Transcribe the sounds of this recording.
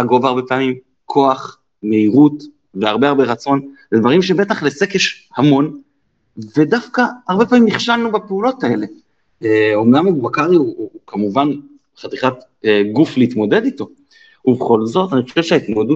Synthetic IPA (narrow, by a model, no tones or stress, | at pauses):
haɡo̞vaʁbe̞paːmim | kʰo̞aχ | me̞iʁut | veaʁbeaʁbe̞ʁat͡so̞nled̪vaʁimʃe̞be̞t̪aχlesekjeʃ | hamo̞n | ve̞dafkaːʁbe̞paːmimniχʃalnubapeulo̞tae̞le̞ | eo̞mnamubakaʁiukamuvan | χat̪iχat | ɡufleit̪mo̞de̞d̪ito̞ | ubeχo̞lzo̞taniχo̥ʃevʃeaitmodu